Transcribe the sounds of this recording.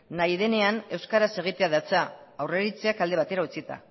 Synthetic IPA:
najðe̞ne̞ane̞wskaɾase̞ɣ̞it̪eaðat͡saawre̞ɾit͡seakald̪e̞βat̪e̞ɾaut͡sit̪a̰

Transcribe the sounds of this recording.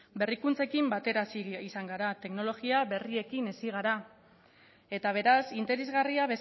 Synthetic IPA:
be̞rikunt͡se̞kimbat̪e̞ɾasiisaŋɡaɾat̪e̞kno̞lo̞ɣiaβe̞rie̞kine̞siɣ̞aɾa | e̞t̪aβ̞e̞ɾasint̪e̞ɾe̞zɣariaβe̞s

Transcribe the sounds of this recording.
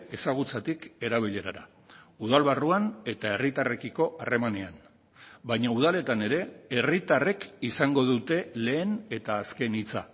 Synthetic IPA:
e̞saɣ̞ut͡sat̪ike̞ɾaβ̞iʎe̞ɾaɾa̰ | uð̞alβaruane̞t̪ae̞rit̪are̞kiko̞ʔare̞manean | bajɲauð̞ale̞t̪ane̞ɾe̞erit̪arekisaŋɡo̞ðut̪e̞le̞ːne̞t̪aːske̞nit͡sa̰

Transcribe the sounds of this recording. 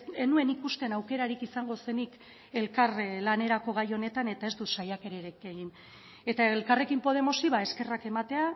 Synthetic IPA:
enue̞nikust̪e̞nawke̞ɾaɾikisaŋɡo̞se̞nik | e̞lkarlane̞ɾako̞ɣ̞ajo̞ne̞t̪ane̞t̪ae̞zd̪ut̪sajake̞ɾeɾekeɣin | e̞t̪aeelkare̞kimpo̞ð̞e̞mo̞siβae̞ske̞rake̞mat̪e̞a

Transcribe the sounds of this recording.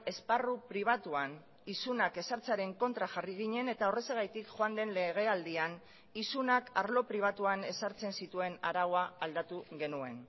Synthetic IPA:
e̞sparupɾiβ̞at̪uan | isunake̞saɾt͡saɾe̞ŋko̞nt̪ɾaxariɣ̞iɲe̞ne̞t̪aore̞seɣajt̪ikxoand̪e̞nle̞ɣ̞e̞ald̪ian | isunaka̰ɾlo̞pɾiβ̞at̪uane̞saɾt͡se̞nsit̪ue̞naɾaɣoaːld̪at̪uɣe̞nue̞n

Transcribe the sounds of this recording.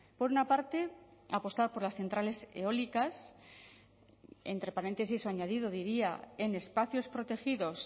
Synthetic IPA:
po̞ɾunapaɾt̪e̞apo̞st̪aɾpo̞ɾlasθe̞nt̪ɾale̞se̞̰o̞likas | e̞̰nt̪ɾe̞paɾe̞nt̪e̞s̬isoaɲað̞ið̞oðiɾiae̞ne̞spaθjo̞spɾo̞t̪e̞xiðo̞s

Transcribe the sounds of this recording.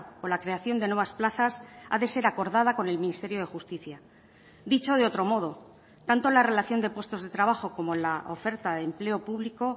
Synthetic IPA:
olakɾe̞aθjo̞nd̪e̞nweβasplaθasa̰ðe̞se̞ɾako̞ɾð̞að̞ako̞ne̞lminist̪e̞ɾjoð̞e̞xust̪iθja | d̪it͡ʃo̞ð̞e̞o̞t̪ɾo̞mo̞ð̞o̞ | t̪ant̪o̞lare̞laθjo̞nd̪e̞pwe̞st̪o̞zðet̪ɾaβaxo̞ko̞mo̞enlaʔo̞̰fe̞ɾt̪aðemple̞o̞puβliko̞

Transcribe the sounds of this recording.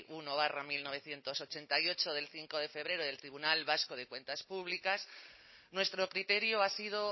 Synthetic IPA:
uno̞β̞aramilno̞β̞e̞θje̞nt̪o̞so̞t͡ʃe̞nt̪ajo̞t͡ʃo̞ðe̞lθiŋko̞ðefe̞β̞ɾe̞ɾoðelt̪ɾiβunalβaskoð̞e̞kwe̞nt̪aspuβ̞likas | nwe̞st̪ɾo̞kɾit̪e̞ɾjoasið̞o

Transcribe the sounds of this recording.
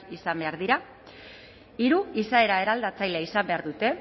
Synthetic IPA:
isambe̞aɾðiɾa | iɾuisae̞ɾae̞ɾald̪at͡sajleaisambe̞aɾðut̪e̞

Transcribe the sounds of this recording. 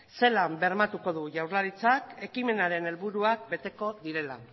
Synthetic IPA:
se̞lambe̞ɾmat̪uko̞ð̞uʝawɾlaɾit͡sake̞kime̞naɾe̞ne̞lβuɾuak̚be̞t̪e̞ko̞ðiɾe̞la

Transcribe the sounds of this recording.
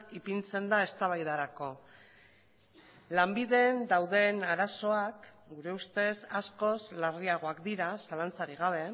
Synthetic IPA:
ipint͡se̞nd̪ae̞st̪aβajðaɾako̞ | lambiðe̞nd̪awðe̞naɾaso̞ak | ɡuɾe̞ust̪e̞sasko̞zlariaɣ̞o̞akd̪iɾasalant͡saɾiɣ̞aβ̞e̞

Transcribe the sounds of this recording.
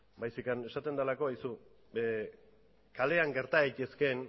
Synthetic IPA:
bajsikanesat̪e̞nd̪alakoajsu | kale̞aŋɡe̞ɾt̪aejt̪eske̞n

